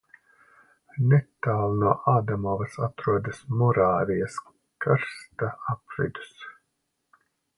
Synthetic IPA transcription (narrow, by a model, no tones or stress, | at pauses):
nɛt̪aːlˠnuɔʔaːd̪amɔvɐsat̪ɾuɔd̪asmɔɾaːɾijas | kaɾst̪aapɾḭd̪u̥s